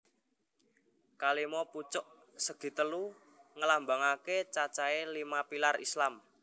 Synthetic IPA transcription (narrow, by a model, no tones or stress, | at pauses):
kalimɔput͡ʃʊʔ | səɡ̥i̤t̪əlu | ŋəlambaŋaket͡ʃat͡ʃaelimapilarḭslam